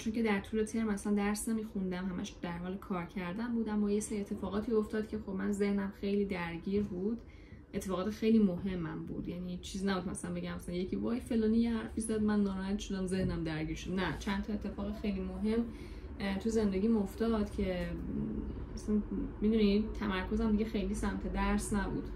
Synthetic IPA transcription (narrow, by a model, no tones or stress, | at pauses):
t͡ʃʰonce̞d̪æɾt̪ʰuːle̞t̪ʰe̞ɾmæsænd̪æɾsnemiːxund̪æmhæmæ̰ʃd̪̥æɾhɒːlekʰɒːɾcʰæɾd̪ænbuːd̪æmːɒːjeseɾiet̪ʰːe̞fɒːɣɒːt̪ʰiːo̞ft̪ɒːd̪cʰʲe̞xo̞bmænze̞hnæmxe̞jliːd̪æɾɟiːɾbuːd̪̥ | ʔet̪ʰːe̞fɒːɣɒːt̪xe̞jlimoɦe̞mːæ̰mbṵːd̪̥jænit͡ʃʰiːzinæbud̪̚mæsælænbe̞ɟæmæsælænjecʰivɒːjfe̞lɒːnijehæɾfizæd̪mænːɒːɾɒːhæt̪ʃod̪æmze̞hnæmd̪æɾɟiːɾʃod̪næt͡ʃʰænt̪ʰɒe̞t̪ʰːe̞fɒːɣexejlimoɦe̞mː | t̪ʰuze̞nd̪eɟʲiːmoft̪ɒːd̪cʰe̞ | mæsænmid̪unit̪ʰæmæɾkʰo̞zæmd̪iɟʲexe̞jlisæmt̪ʰe̞d̪æɾsnæbṵd̪̥